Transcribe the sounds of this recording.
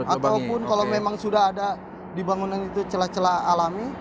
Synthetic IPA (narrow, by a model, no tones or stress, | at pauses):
at̪awpʊnkalomemaŋsudaɦada | dibaŋunanit̪ut͡ʃəlat͡ʃəlaːlami